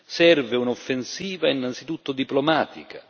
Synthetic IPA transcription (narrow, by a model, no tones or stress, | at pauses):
sɛrveunofːensiːvainːant̪sit̪ut̪ːʊd̪iplɔmaːt̪ika